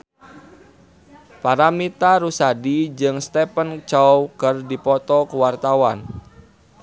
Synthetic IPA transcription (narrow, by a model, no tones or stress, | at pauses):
paɾamit̪aɾusadid͡ʒɨŋst̪ɛpənt͡ʃɔwkɨrdipɔt̪ɔkuwart̪awan